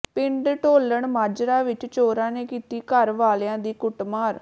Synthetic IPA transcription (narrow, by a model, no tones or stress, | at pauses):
pɪɳɖʈoːləɳmaːd͡ʒɾaːʋɪt͡ʃt͡ʃoːɾãːneːkiːt̪iːkəɾʋaːljãːd̪iːkʊʈmaːɾ